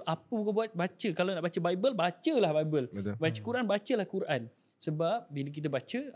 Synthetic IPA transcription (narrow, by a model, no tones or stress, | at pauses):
ʔapəbukabuat̪̚bat͡ʃəkalanaʔbat͡ʃəbajbəlbat͡ʃəlahbaibəlbət̪bat͡ʃəkuɾaʔanbat͡ʃəlahkuɾʔan | səbap̚bilək̬it̪̬abat͡ʃə